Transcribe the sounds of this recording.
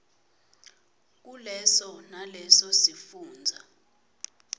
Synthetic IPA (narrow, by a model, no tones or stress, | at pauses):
k̬ulɛsɔnalɛsɔsifuːnd͡zʱa